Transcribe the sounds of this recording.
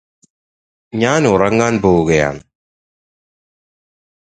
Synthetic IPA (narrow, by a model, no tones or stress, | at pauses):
ɲaːnuɾɐŋːaːnboːwuɡɐja̰ːn